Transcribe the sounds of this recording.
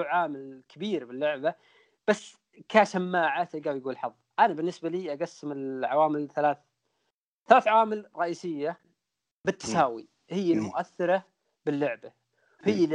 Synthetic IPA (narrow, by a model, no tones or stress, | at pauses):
ʕaːmɪlkʰabiːɾbɪlːʊʕba | b̥asː | kaʃamːaːʕat̪aɡaːwjɡuːlħɑðˤːʔanabɪnːɪsbaliːʔaɡasːɪmɪlʕa̰waːmɪlθalaːθ | θalaːθʕawaːmɪlɾˤɑʔiːsɪjːa | bɪt̪ːḁsaːwḭ | hɪjːalmʊʔaθːɪɾɑ | bɪlːʊʕba | hɪjːa